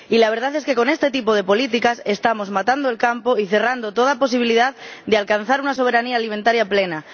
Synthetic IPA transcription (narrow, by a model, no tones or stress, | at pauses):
ilaβ̞e̞ɾð̞aθeske̞ko̞ne̞st̪e̞t̪̬ipo̞ð̞e̞po̞lit̪̬ikase̞st̪amo̞zmat̪and̪oe̞lkampo̞iθe̞rand̪o̞t̪o̞ðapo̞s̬iβ̞iliðaðd̪ealkan̟θaɾunaso̞β̞e̞ɾaniaːlimẽnt̪aɾjaple̞na